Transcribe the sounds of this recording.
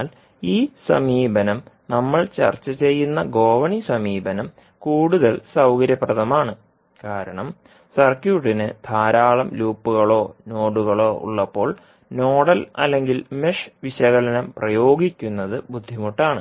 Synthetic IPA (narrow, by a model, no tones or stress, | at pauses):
l | iːsɐ̰miːbɐnɐmnɐmːɐɭt͡ɕɐ̰rt͡ɕːɐt͡ɕe̞jːunːɐɡo̞ːʋɐɳisɐmiːbɐnɐm | kuːɽuðɐlsɐwkɐɾjɐpːrɐðɐmaːɳɨ | kaːɾɐɳɐm | sɐrkjuːʈːinɨd̪ʱaːɾaːɭɐmluːpːuɣɐɭo̞ːno̞ːɽuɣɐɭo̞ːʔṵɭːɐpːo̞ːɭ | no̞ːɽɐlɐ̰lːe̞ŋɡilmeʂʋiɕɐɣɐlɐnɐmprɐjo̞ːɡikʲːunːɐðɨbud̪ʱːimuʈːaːɳɨ